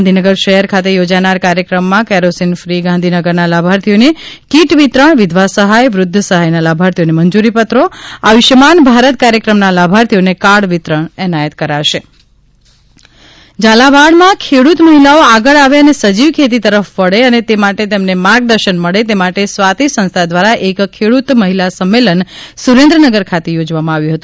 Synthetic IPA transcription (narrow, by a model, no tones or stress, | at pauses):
nd̪ʱinəɡəɾʃəɦəɾkʰat̪ejod͡ʒanaɾkaɾjəkɾəmːãkɛɾosinfɾiɡãnd̪ʱinəɡəɾnalabʱaɾt̪ʰijonekiʈʋit̪ɾəɳʋɪd̪ʱʋasəɦajʋɾʊd̪ʱːəsəɦajnalabʱaɾt̪ʰijoneməɲd͡ʒuɾipət̪ɾoaʋɪʃəmanbʱaɾət̪̚kaɾjəkɾəmnalabʱaɾt̪ʰijonekaɽʋit̪ɾəɳɛnajət̪kəɾaʃe | d͡ʒalaʋaɽmãkʰeɽut̪məɦilaoaɡəɭaʋeənesəd͡ʒiʋkʰet̪̬it̪əɾəfʋəɭeənet̪emaʈet̪emnemãɡd̪əɾʃənməɭet̪emaʈesʋat̪isə̃nst̪ʰad̪ʋaɾaʔekkʰːeɽut̪məɦilasəmːelənsuɾẽnd̪ɾənəɡəɾkʰat̪ejod͡ʒʋamãaʋjũɦət̪ũ